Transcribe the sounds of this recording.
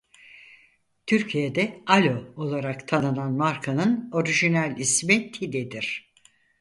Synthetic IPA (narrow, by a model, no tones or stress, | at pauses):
t̪ʰyɾcʰijed̪ɛalʲo̞o̞lˠaɾakt̪ʰanɯnanmaɾkʰanɯno̞ɾiʒinælʲismit̪ʰid̪ɛd̪iɾ̥